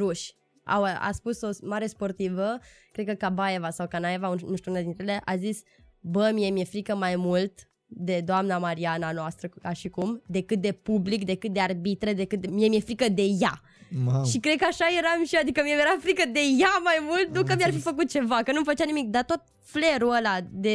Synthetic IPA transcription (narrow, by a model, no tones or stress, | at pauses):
ɾuʃʲ | a̰wa̰spuso̞smaɾe̞spo̞rt̪ivəkɾed̪kəkabaevasawkanaevaunuʃt̪ʲuunad̪int̪ɾeele̞ʔazis | bəmijemije̞fɾikəmajmult̪ | d̪e̞d̪oamnamaɾiananoast̪ɾəkaʃikumd̪e̞kɨt̪̚d̪e̞publikd̪e̞kɨt̪̚d̪e̞arbit̪ɾed̪e̞kɨt̪miemiefɾikəd̪e̞ja | ʃikɾe̞d̪̚kəaʃaje̞ɾamʃioad̪ikəmiemjeɾafɾikəd̪e̞jamajmult̪̚nukamiarfifəkut̪̚t͡ʃe̞vakənuməfət͡ʃanimik̚d̪at̪o̞t̪̚ | fle̞ɾuəlad̪e̞